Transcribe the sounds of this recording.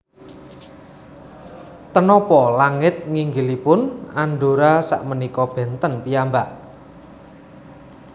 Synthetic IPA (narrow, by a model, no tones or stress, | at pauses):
t̪ənɔpɔlaŋɪt̪̚ŋiŋɡɪlipʊnaɳɖoɾasa̰ʔmənikɔb̥ɛ̤nt̪ənpijambaʔ